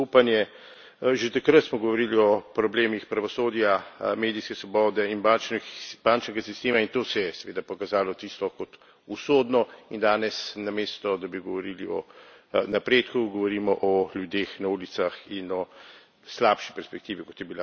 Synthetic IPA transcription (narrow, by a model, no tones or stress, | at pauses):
upanjɛ | ʒet̪akɾət̪smɔɡɔʋɔɾiliɔpɾɔbleːmixpɾaʋɔsoːd̪jameːd̪ijskɛsʋɔbɔːd̪ɛinbant͡ʃnb̥ant͡ʃnɛɡasist̪eːmaint̪oːsɛjɛsɛʋeːd̪apɔkazaːlɔt̪ist̪ɔkɔt̪ | usoːd̪nɔind̪aːnɛsnameːst̪ɔd̪abiɡɔʋɔɾiːliɔ̰ | napɾeːt̪kuɡɔʋɔɾiːmɔʔɔljud̪eːxnauːlit̪saxinɔ | slaːpʃi̥pɛɾspɛk̚t̪iːʋikɔt̪jɛbila